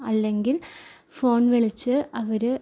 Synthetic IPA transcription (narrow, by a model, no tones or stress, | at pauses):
ɐlːe̞ŋɡil | fo̞ːnʋeɭit͡ɕːɨɐʋɐɾɨ